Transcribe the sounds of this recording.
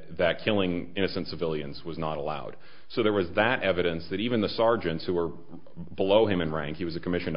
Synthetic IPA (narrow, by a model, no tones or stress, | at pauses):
ðɨt̚kʰɪlˠɪ̃ŋɪ̃ñɨsɨ̃ntsɨvɪlˠjɨ̰̃nzwʌznəɾəla̰ʊd̥̚ | soʊðə˞wʌzðɨɾʔɛvɨɾɨ̃nsðɨɾivɨ̃nðəsɑɹd͡ʒɨ̃ntshuwə˞ | bəloʊɨ̃mɨ̃nɹæ̃ŋkhiwʌzɨkʰəmɪʃɨ̃n